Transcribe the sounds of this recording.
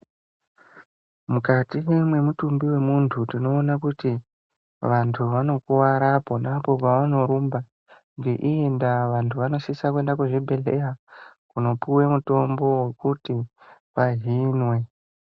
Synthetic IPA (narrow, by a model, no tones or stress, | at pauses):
mukatijemwe̞mutumbiwe̞muntʰutino̞ːnakuti | ʋantʰuʋano̞kuwaɾapo̞napo̞paʋano̞ɾumba | ŋɡe̞ʔiendaʋantʰuʋano̞sisakue̞ndakuʐibʱe̞ɮe̞rakuno̞puwe̞muto̞mbo̞we̞kuti | ʋaɦinwe̞